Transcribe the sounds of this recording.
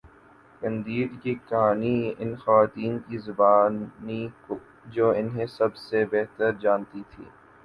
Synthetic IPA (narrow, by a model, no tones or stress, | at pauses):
kɐ̃nd̪iːd̪kikɐɦaːniɪnxɐʋaːt̪iːnkizʊbaːnniko | d͡ʒoːɪnɦẽsɐbsebeɦt̪əɾd͡ʒaːnt̪it̪ʰḭː